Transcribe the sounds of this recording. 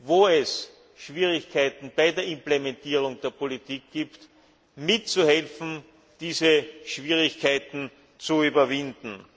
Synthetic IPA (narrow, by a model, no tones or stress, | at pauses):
voːɛs | ʃv̥iːʁɪçkʰaɪt̪n̩baɪdeːɐɪ̃mplemɛntiːʁ̞ʊŋd̥eːɐpolitiːk̚ɡ̥iːpt | mɪtt͡suhɛlfn̩ | d̥iːzəʃv̥iːʁɪçkʰaɪtn̩ | t͡suyːbɐvɪndn̩